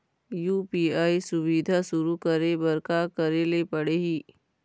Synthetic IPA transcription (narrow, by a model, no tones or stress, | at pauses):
juːpiːaːisʊʋid̪ʱaʃʊɾukəɾebɐɾkakɐɾelepɐɽeɦiː